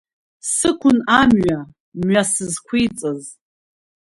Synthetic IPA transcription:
sɨkʷʰʊnamɥa | mɥasɨzkʷʰijt͡sʼɨz

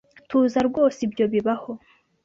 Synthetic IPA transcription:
tuːzaɾɡwo̞ːsibjo̞βiβaho̞

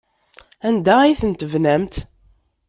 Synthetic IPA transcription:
ænd̪æiθənt̪əvnæmt̪

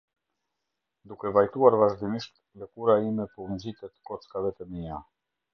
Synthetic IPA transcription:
d̪ukɛvajt̪uaɾvaʒd̪iniʃt̪ | lɛkuɾaimɛpɔmd͡ʑit̪ɛt̪kɔt͡skavɛt̪ɛmia

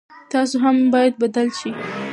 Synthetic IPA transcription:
t̪ɑsoɦambɑjad̪̚bad̪alʃi

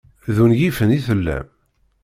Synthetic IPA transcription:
ðunjifəniθəlːæ̰m

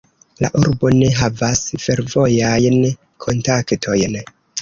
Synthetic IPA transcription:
la̰ʔuɾbo̞ne̞ɦavasfe̞ɾvo̞jajn | kʰo̞ntaktʰo̞jn

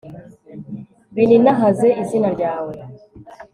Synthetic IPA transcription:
βininaɦazeʔizinaɾɟaːwe

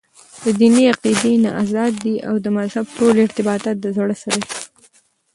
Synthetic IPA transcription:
d̪əd̪iniaqid̪ena̰ʔazɑd̪̚ːiʔawd̪əmazhab̚ʈolɪɾt̪ɪbɑt̪ɑt̪̚d̪əzaɽəsaɾai̥

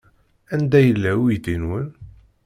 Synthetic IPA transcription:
ænd̪æjəlːæwjd̪inwən

